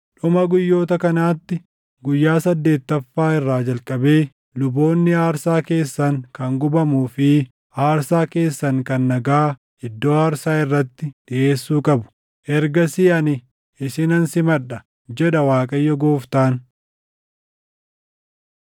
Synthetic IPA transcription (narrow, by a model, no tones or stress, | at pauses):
ᶑʊmɐɡʊjːo̞ːt̪ɐkɐnaːt̪ːɪ | ɡʊjːaːsɐd̪ːe̞ːt̪ːɐfːaːɪrːaːd͡ʒɐlkʼɐbe̞ː | lʊbo̞ːnːɪaːɾsaːke̞ːsːɐŋkɐŋɡʊbɐmuːfɪ | ʔaːɾsaːke̞ːsːɐŋkɐnːɐɡaː | ɪd̪ːo̞ːaːɾsaːɪrːɐt̪ːɪᶑɪʔe̞ːsːuːkʼɐbʊ̥ | ʔɛɾɡɐsɪɐnɪ | ɪsɪnɐnsɪmɐɗɐ | d͡ʒɛᶑɐwaːkʼɐjːɔɡoːft̪aːn